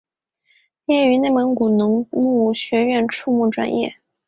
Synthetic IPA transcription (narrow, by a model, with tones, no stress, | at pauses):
jɛ˥˩y˧˥ne˥˩ɪmə˧˥ŋku˨˩nɤ˧˥ŋmu˥˩ɕɥɛ˧˥ɥɛ˥˧nʈ͡ʂʰu˥˧mu˥˩ʈ͡ʂwa̰˥˩njɛ̰˥˩